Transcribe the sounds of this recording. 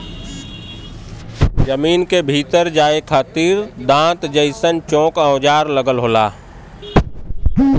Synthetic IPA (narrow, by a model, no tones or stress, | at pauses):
d͡ʒəmiːnkebʱiːt̪əɾd͡ʒaːekʰaːt̪iɾd̪ãːt̪d͡ʒəɪsənt͡ʃɔ̃ːkə̃ːd͡ʒaːɾləɡəlɦoːlaː